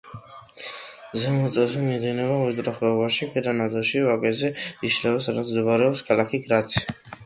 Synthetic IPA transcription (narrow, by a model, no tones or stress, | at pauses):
zɛmɔt̪sʼɛzɛmid̪ɛnɛvaɛt̪ʼɾɔχɛɔvaʃiχʰiɾanad̪ɔʃivakʼɛzɛiʃlɛvasad̪ad̪d̪ɔbaɾɛɔpskʰalakʰiɡɾat̪sʰi̥